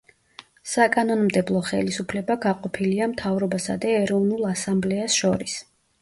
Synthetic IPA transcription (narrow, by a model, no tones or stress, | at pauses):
sakʼanɔnmd̪ɛblˠɔχɛ̰lisupʰlɛbaɡaqʼɔpʰiliamt̪ʰavɾɔbasa̰d̪aɛɾɔvnulˠasamblɛasʃɔɾis